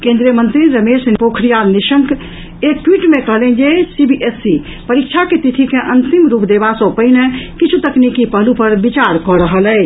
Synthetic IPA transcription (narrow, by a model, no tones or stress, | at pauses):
kẽnd̪ɾiəmənt̪ɾiɾəmesnpokʰɾijaniʃə̃ŋk | ek̚ʈwiʈmekəɦlɛnd͡ʒesibiʔesːipəɾik̚t͡ʃʰaket̪it̪ʰikeʔənt̪imɾupd̪ebasə̃pəinekit͡ʃʰut̪əknikipəɦlupəɾbit͡ʃaɾkɔɾəɦəlɛj